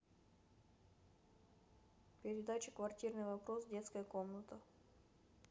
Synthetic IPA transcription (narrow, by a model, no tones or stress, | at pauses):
pʲɪɾʲɪd̪at͡ɕɪkvɐrtʲirnɨjvɐpɾosdʲe̞t̪skəjəko̞mnət̪ə